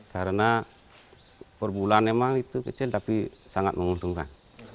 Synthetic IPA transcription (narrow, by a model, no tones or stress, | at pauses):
kaɾəna | pərbulanːemaŋit̪ukət͡ʃilt̪apisaŋat̪̚məŋunt̪uŋka̰n